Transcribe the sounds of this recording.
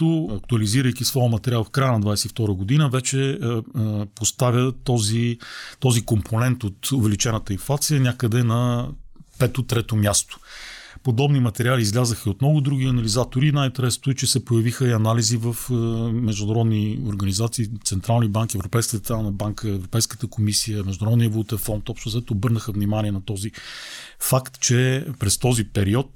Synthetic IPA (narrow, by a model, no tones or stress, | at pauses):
toɐk̚t̪uɐliziɾəjkʲisvɔjəmɐt̪ɛɾialˠfkɾajənɐd̪vajsɛift̪ɔɾəɡod̪inəvɛt͡ʃɛ | post̪avʲət̪ɔzit̪ɔzikompʰonɛnt̪ot̪ʊvɛlit͡ʃɛnət̪əinflˠat̪sijənʲakəd̪ɛnɐ | pɛt̪ot̪ɾɛt̪omʲjast̪o̥pod̪ɔbnimɐt̪ɛɾʲialiːzlʲazəxəot̪mnɔɡʊd̪ɾuɡ̟iɐnɐlizat̪oɾinajint̪ɛɾɛst̪ʊɛt͡ʃɛsɛpojəvixəiɐnalizivəfmɛʒd̪ʊnɐɾɔd̪nioɾɡɐnizat̪siːt̪sɛnt̪ɾalˠnibaŋkiɛvɾopɛjskət̪ɾalˠnəbaŋkəɛvɾopɛjskə̥t̪əkomisijəmɛʒd̪ʊnɐɾɔd̪niəvlˠut̪ɛfɔnt̪ɔpʃt̪ʊzɛt̪oːbɤɾnəxəvnimaniɛnɐt̪ɔzi | fakt̪t͡ʃɛpɾɛst̪ɔzipɛɾiɔt̪̚